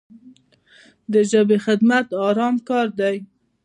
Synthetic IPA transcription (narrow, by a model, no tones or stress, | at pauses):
d̪əʒəbexɪd̪mat̪ɑɾɑmkɑɾd̪aj